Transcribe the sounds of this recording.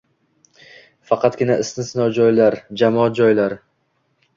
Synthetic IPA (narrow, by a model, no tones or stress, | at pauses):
fɑqʰɑt̪ɡʲɪnaɪsnɪsnɒwd͡ʒɒjlaɾd͡ʒamɒat̪̚d͡ʒɒjlaɾ